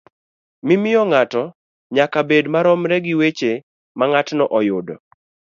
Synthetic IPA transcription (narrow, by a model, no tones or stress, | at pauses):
mɪmɪjɔŋatɔ | ɲakabedmaɾɔmɾɛɡɪwet͡ʃe | maŋatnɔʔɔjʊdɔ